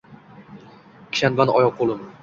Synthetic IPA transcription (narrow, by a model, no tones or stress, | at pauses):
kʲʰɪ̥ʃanbanɒ̰jɒq̚ːolˠɪm